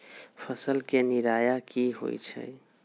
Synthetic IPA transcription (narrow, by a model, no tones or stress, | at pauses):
pʰəsəlkeniɾajakiɦo̰jt͡ʃʰə̰j